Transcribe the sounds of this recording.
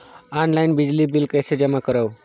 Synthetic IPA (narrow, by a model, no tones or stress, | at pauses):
anlainbid͡ʑlibilkəjsed͡ʒəmakəɾaʋ